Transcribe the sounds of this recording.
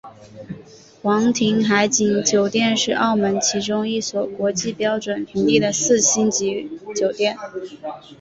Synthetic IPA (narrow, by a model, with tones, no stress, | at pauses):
xwɑ˧˥ŋt̪ʰi˧˥ŋxa˧˥ɪt͡ɕi˨˩nt͡ɕjo˨˩ʊt̪jɛ˥˧nʂɻ̩˥˧ʔɑ˥˩ʊmə˧˥nt͡ɕʰi˧˥ʈ͡ʂʊ˥ŋi˥˩swɔ˨˩kwɔ˧˥t͡ɕi˥˩pjɑ˥ʊʈ͡ʂwə˨˩npʰi˧˥ŋli˥˩d̪ə˩sɹ̩˥˩ɕi˥nt͡ɕi˧˥t͡ɕjo˨˩ʊt̪jɛ˥˩n